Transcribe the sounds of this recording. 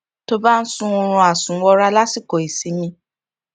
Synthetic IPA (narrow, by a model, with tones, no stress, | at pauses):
to˦ba˦n̩˦sũ˦o˧ɾ̃ũ˧a˨sũ˨˦wɔ˧ɾa˦la˦si˦˨ko˨i˨si˨˦mĩ˧˦